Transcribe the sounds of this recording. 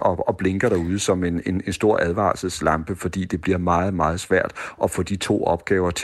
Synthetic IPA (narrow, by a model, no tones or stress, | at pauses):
ʔɒ̽ɒ̽b̥le̝ŋɡ̥ɐɾ̥ɑ̈uð̞ˠəsɒ̽me̝ne̝ne̝nsd̥o̝ɐ̰ʔæð̞ˠʋɑ̰̈sl̩ˠslɑ̈mb̥əfɒ̽d̥ḭːd̥e̝b̥liɐmɑ̈ːð̞̩ˠmɑ̈ːð̞̩ˠsʋæɐ̰d̥ʔɒ̽fɔ̰̽ːd̥it͡sʰo̝̰ːɒ̽b̥̚ɡ̥ɛːʊɐt͡sʰ